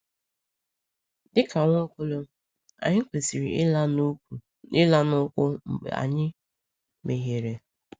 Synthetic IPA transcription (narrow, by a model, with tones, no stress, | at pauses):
dɪ˦ka˨ŋʷo˦ko˦lo˦ | a̰˨ɲɪ˦kʷe˨si˨ɾi˨ɪ˦la˦nu˦ku˨ | ɪ˦la˦nʊ˦kʷʊ˦m̩˨ɡ͡bḛ˨a̰˨ɲɪ˦ | me˨ɦe˨ɾe˨